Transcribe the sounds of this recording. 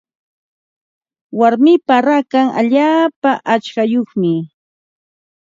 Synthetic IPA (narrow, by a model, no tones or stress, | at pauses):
waɾmɪpaɾakaŋʔa̰ʎaːpaʔat͡ʃkajoχmɪ